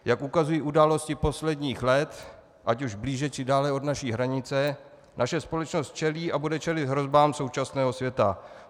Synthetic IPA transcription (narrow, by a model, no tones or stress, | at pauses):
jakʔukazujiʔudaːlo̞scɪpo̞slɛdɲiːxlɛt̪ | ʔacuʒbliːʒɛt͡ʃɪdaːlɛo̞dnaʃiːɦɾaɲɪt͡sɛ | nʔaʃɛspo̞lɛt͡ʃnost̪̚t͡ʃɛliːʔabudɛt͡ʃɛlɪt̪ɦɾo̞zbaːmso̞wt͡ʃasnɛːɦo̞sjɛt̪a̰